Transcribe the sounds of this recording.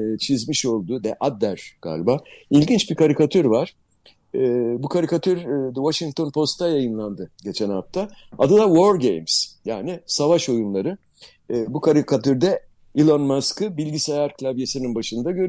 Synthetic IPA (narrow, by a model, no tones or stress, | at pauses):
t͡ʃʰizmiʃo̞lˠd̪ʊd̪ɛʔad̪ːæɾ̥ɡ̥a̰ːlʲbaːilʲɟint͡ʃbikʰaɾikat̪ʰyɾvaɾ̥ | ɛːbukʰaɾikat̪ʰyɾd̪ɛvaʃiŋk̚t̪ʰo̞npʰo̞st̪ʰːajajɯnlˠand̪ɯɟe̞t͡ʃʰɛnaft̪ʰaad̪ad̪avo̞ɾɟḛjmsjaːnisavaʃo̞junlˠaɾɯː | bukʰaɾikʰat̪ʰyɾd̪ɛ | ilˠonmaskɯbilʲɟisajaɾkʰlʲˠabje̞sininbaʃɯnd̪aɟøɾ